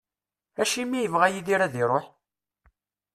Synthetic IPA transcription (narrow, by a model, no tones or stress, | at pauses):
æʃimːijəvʁæjiðiɾæðiɾˤoħ